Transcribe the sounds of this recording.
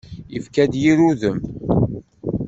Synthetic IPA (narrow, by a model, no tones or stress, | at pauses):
əfkæd̪jiɾuðəm